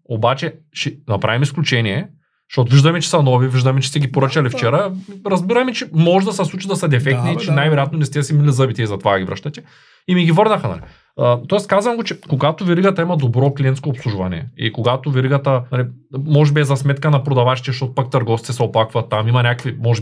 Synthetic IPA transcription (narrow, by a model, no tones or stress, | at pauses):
obat͡ʃɛʃɛnɐpɾʔavimisklʲut͡ʃɛniɛ | ʃt̪ɔt̪oviʒd̪ɐmɛt͡ʃɛ̥sɐnɔviviʒd̪ɐmɛt͡ʃɛ̥st̪ɛɡʲipoɾət͡ʃɐlift͡ʃɛɾɐɾɐzbiɾɐmɛt͡ʃɛmɔʒɛd̪ɐsɐsˠut͡ʃid̪ɐsɐd̪ɛfɛk̚t̪nit͡ʃɛnajvɛɾojat̪nonɛst̪ɛsɛmilizəbit̪iɛzɐt̪ovaɡʲivɾə̰ʃt̪ɐt̪ʲɛ̥ | imiɡivəɾnɐxəna̰li | t̪ɔɛskazvɐmɡot͡ʃɛkoɡat̪oviɾiɡɐt̪ɐimɐd̪obɾɔklʲiɛnt̪skopsˠuʒvɐ̰nɛ̰ḭkoɡat̪oviɾiɡɐt̪ɐnalimɔʒɛbiɛzɐsmɛt̪kɐnɐpɾod̪ɐvat͡ʃi̥t̪ɛʃt̪ɔt̪o̥pak̚t̪ɐɾɡɔft̪it̪ɛsɛoplˠakvɐt̪ːamimɐnʲakkvimɔʒɛ